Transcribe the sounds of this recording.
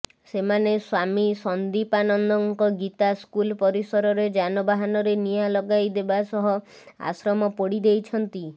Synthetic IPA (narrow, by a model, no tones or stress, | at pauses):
semaneswamisɔnd̪ipanɔnd̪ɔŋkɔɡit̪askulpɔɾisɔɾɔɾed͡ʒanɔbaɦanɔɾenijalɔɡajd̪ebasɔɦɔ | a̰sɾɔmɔpɔɽid̪ejt͡ʃʰɔnt̪i